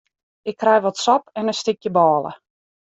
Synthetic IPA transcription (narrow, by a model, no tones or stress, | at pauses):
ɪkʰːrɛjʋɔtsɔpɛnəstɪkjəbɔːlˠə̰